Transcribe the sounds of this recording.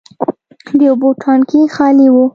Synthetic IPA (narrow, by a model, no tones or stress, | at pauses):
d̪əoboʈʰɑnkixɑliwu